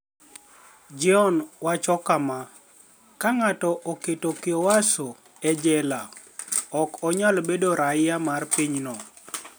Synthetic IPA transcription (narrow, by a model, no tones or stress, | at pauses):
d͡ʒɪɔnwat͡ʃɔkama | kaŋatɔʔoketokɪɔwaso | ɛd͡ʒɛla | ɔkɔɲalbedoɾaɪjamarpiɲnɔ